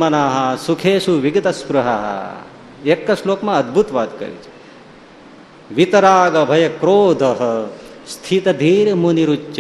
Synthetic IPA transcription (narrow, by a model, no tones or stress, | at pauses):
mɐnaːɦɐ̆sukʰeːʃuʋiɡɐt̪ɐspɾuɦɐɦɐ̰ | ekːɐʃloːkmɐɐd̪̚bʱut̪ʋaːd̪kɐ̰ɾḭt͡ʃi̥ | ʋit̪ɐɾaːɡɐbʱɐjɐkɾoːd̪ʱɐɦɐ̆ | st̪ʰit̪ɐd̪ʱiːɾmuniɾut͡ʃt͡ʃɐ